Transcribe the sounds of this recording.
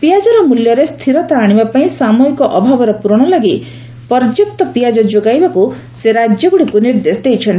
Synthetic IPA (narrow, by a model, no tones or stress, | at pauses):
pijad͡ʒɔɾɔmuljɔɾest̪ʰiɾɔt̪aːɽ̃ibapaĩsamɔikɔʔɔbʱabɔɾɔpuɾɔɽ̃ɔlaɡi | pɔɾd͡ʒuk̚t̪ɔpijad͡ʒɔd͡ʒoɡajbaku | seɾad͡ʒjɔɡuɽikuniɾd̪esd̪ejt͡ʃʰɔnt̪i